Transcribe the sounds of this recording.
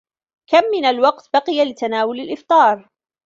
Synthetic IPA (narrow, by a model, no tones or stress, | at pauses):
kamːɪnalwɑqt̪bɑqɪjalɪt̪anaːwʊlalʔɪft̪ˤɑːɾˤ